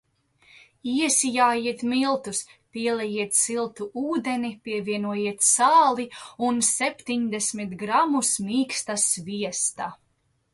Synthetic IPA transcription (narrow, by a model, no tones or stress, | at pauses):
iɛsijaːjiɛt̪milˠt̪uspʲiɛlˠɛjiɛt̪silˠt̪uuːd̪enipʲiɛviɛnuɔjiɛt̪saːlˠiunsepʲt̪iɲd̪esmit̪ɡɾamusmiːkst̪asviɛst̪a